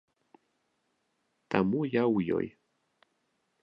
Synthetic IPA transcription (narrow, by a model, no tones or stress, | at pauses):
t̪amujawujo̰j